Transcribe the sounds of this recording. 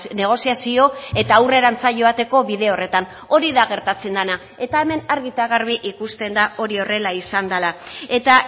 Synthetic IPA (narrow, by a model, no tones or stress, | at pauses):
ne̞ɣ̞o̞siasio̞e̞t̪aːwre̞ɾant͡saʝo̞at̪e̞ko̞βiðe̞o̞re̞t̪an | o̞ɾiðaɣe̞ɾt̪at͡se̞nd̪ana | e̞t̪ae̞me̞naɾɣit̪aɣarβ̞iʔikust̪e̞nd̪ao̞ɾio̞re̞laisand̪alae̞t̪a